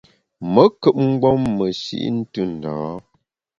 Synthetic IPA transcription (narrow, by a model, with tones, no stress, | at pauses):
mə˦kə˦p̚ŋ̩˦ɡɔ˦mːə˨sḭ˦ʔn̩˦tɨ˦˨n̩˨dɔː˨˦